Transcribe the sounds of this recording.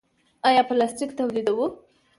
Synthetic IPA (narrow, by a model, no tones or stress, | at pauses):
ɑjɑpəlasʈikt̪awlid̪awu